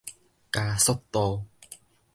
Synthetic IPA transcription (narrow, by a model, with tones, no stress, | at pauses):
kaː˧sɔ˥tt̪ːo˧w